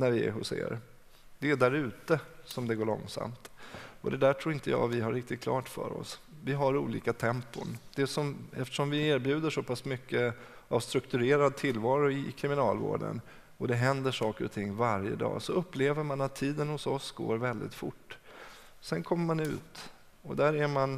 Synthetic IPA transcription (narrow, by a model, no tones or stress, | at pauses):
næɾvɪɛ̰ɦʊ̰sḛːɾ | d̪̥ɛːɖ̪æɾʉ̟ːt̪əsɔmd̪ɛɡoːɭɔ̰ŋsa̰mt̪ɔd̪ɛd̪æʈʰɾuːɾɪnt̪əjɑ̰ːvɪɦaɾɪk̚t̪ɪt̪̚kʰlɑːʈfœ̰ɾɔ̰svɪɦaɾuːliːkat̪ʰɛmpʊnd̪̥ɛsɔmɛft̪ə̥ʂɔmvɪeːɾbjʉ̟ːd̪əʂɔpʰasmʏkːə | avst̪ɾɵkt̪ɵɾeːɾad̪̚t̪ʰɪlːvɑːɾʊɪkʰɾɪmɪnɑːlvo̰ːɖə̰n | ɔd̪ɛɦɛnd̪əʂɑːkəɾɔt̪ʰɪŋːvaɾjə̰d̪ɑ̰ːsɔɵpːleːvəɾmanat̪ʰːiːd̪ənhʊsɔsɡo̰ːɾvɛld̪ɪ̰t̪fʊ̰ʈː | sɛnkʰɔmːəɾmanʉ̟̰ːt̪ | ɔd̪æɾæɾman